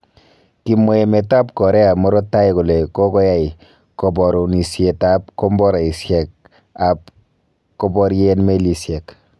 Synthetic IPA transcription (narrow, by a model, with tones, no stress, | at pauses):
ki˨mɔ˦e˨mɛ˨ta˦pkɔ˨ɾɛ˦a˨mɔ˦ɾo˦tːa˦jiku˨le˨kɔ˦kɔ˦ja˦i | kɔ˨bɔɾo˨ni˨sjetap̚kɔmbɔ˦ɾa˨i˨sjɛ˨k̚ | ap̚ | kɔ˦bɔ˦ɾjenme˦li˨sjɛ˨k